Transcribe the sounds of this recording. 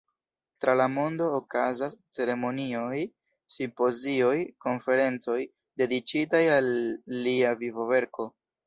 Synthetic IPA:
tɾalamo̞ndo̞ːkazast͡se̞ɾe̞mo̞nioj | simpo̞zio̞jko̞nfe̞ɾe̞nt͡so̞j | de̞dit͡ʃitajalːiavivo̞ve̞ɾko̞

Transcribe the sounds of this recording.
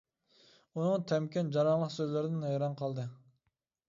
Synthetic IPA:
unɨŋt̪ʰɛmkʲɛnd͡ʒɑɾɑnlˠəqsøzlɪɾɪd̪ɪnɛjɾɑnqʰɑlˠd̪ɨ

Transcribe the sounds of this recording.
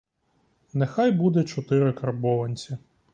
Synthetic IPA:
nexɑjbud̪ɛt͡ʃɔt̪ɪɾɪkɐrbɔʋɐnʲt͡sʲi

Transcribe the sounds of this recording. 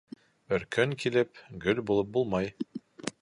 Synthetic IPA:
ɵ̆ɾkɵŋkilɘpɡɵlbulˠɤp̚bulˠmɑj

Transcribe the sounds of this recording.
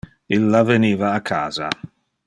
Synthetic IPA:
ilːaveniːvaːkʰa̰ːza̰

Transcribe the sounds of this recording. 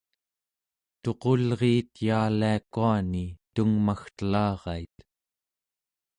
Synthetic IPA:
t̪o̞qo̞lʁeːt̪jaːliakuanit̪uŋmaxt̪əlɑːʁɑit̪

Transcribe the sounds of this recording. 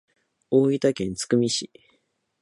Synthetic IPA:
oːit̪akẽ̞nt͡sɨ̥kɯ̟mʲiɕi

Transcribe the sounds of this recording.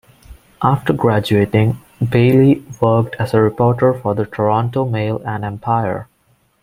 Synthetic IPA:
ʔafʈəɾɡɹæd͡ʒueːʈɪ̃ŋ | beɪliʋək̚ʈʰæzəɹɪpɔːʈəɹfɔd̪əʈʰəɹɔ̃nʈoːmeɪlæ̃nɖɛ̃mpʰaɪə̰ɹ

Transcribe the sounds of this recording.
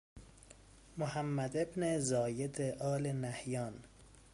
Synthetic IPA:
mohæmːæd̪e̞bnezɒːjed̪eʔɒːlenæhjɒːn

